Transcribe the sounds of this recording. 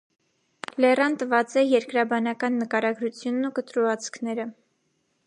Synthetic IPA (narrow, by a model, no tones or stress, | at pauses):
lɛrɑnt̪əvɑt͡sɛjɛɾkɾɑbɑnɑkɑnːəkɑɾɑɡɾut͡sʰjunːukət̪ɾuɑt͡sʰkʰnɛɾə